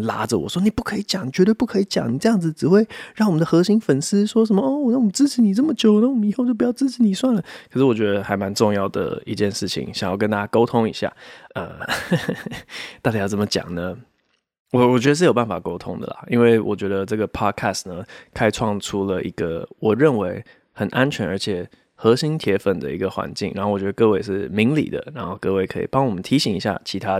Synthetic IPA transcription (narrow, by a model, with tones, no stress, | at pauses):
la̰˧˥d͡zə˨wɔ̰˨˩ʂwɔ˥ni˨˩pu˥˩kʰɤ˧˥i˧˥t͡ɕjɑ˨˩˦ŋni˨t͡ɕɥɛ˧˥t̪we˥˧ɪpu˥˩kʰɤ˧˥i˧˥t͡ɕjɑ̰˨˩ŋni˨˩ʈ͡ʂɤ˥˧jɑ˥˩ŋd͡z̩˩ʈ͡ʂɻ̩˨˩xwe˥˧ɪɻɑ˥˩ŋwɔ˨mə˦nd̪ə˧xɤ˧˥ɕi˥ŋfə˨˩ns̩˥ʂwɔ˥ʂə˧˥nmə˧o˥˩wɔ˨˩na˥˩wt͡sɹ̩˥˩t͡ɕʰi˨˥ni˨˩ə˥˩mə˩t͡ɕjo˨˩ʊ˨na˥˨wɔ˨mə˦i˧˥xo˥˧t͡ɕo˥˩pu˧jʊt͡sɹ̩˥˩t͡ɕʰi˧˥ni˨˩swa˥˩nlə˩kʰə˨˩ʂɻ̩˥˩wɔ˨˩t͡ɕɥɛ˧˥d̪ə˧xa˧ɪma˧˥nʈ͡ʂʊ˥˧ŋjɑ˥˩ʊd̪ə̰˩i˧˥t͡ɕjɛ˥˧nʂɻ̩˥˩t͡ɕʰḭ˨˦ŋɕɑ˨˩ŋjɑ˥˩ʊkə˥nt̪a˥˧t͡ɕja˥ko˥ʊt̪ʰʊ˥ŋḭ˨˩ɕja̰˥˩ə̰˧˩ | t̪a˥˩t͡ɕa˥jt͡sə˩mə˧t͡ɕjɑ̰˨˩ŋnə˦ | wɔ˨˩wɔ˨˩t͡ɕɥɛ˥ə˧ʂ̬ɻ̩˥˩jo˨˩ʊpa˥˩fa˨˩ko˥ʊt̪ʰʊ˥ŋd̪ə̰˨lɐ̰˨˩i˥nwe˥˩ɪwʔɔ̰˨˩t͡ɕɥɛ˧˥d̪ə˧ʈ͡ʂɤ˥˩ɡə˩pʰɑ˥d̚kʰæ˥˩snə˩kʰa˥ɪʈ͡ʂʰwɑ˥˩ŋʈ͡ʂʰu˥lə˨ʔi˧˥ɡ̥ə˧wɔ˨˩ɻə˥˩nwe˧˥ɪ | xə˨˩nʔa˥nt͡ɕʰɥɛ˧˥nə˞˧˥t͡ɕʰjɛ˨˩ | xɤ˧˥ɕi˥ŋt̪ʰjɛ˧˥fə˨˩nd̪ə̰˨˩i˧˥ɡə˧xwa̰˧˥nt͡ɕi˥˩ŋɻa̰˧˥xo˥˩wɔ˨˩t͡ɕɥɛ˧˥d̪ə˧kɤ˥˧we˥˧ɪʂɻ̩˥˩mi˧˥ŋlḭ˨˩d̪ə̰˦ɻa˧˥nxo˥˧ʊkɤ˥˧we˥˩ɪkʰɤ˧˥ḭ˨˩pɑ˥ŋwɔ˨˩mə˦nt̪ʰi˧˥ɕi˨˦ŋi˧˥ɕja̰˥˩t͡ɕʰi˧˥t̪ʰa˥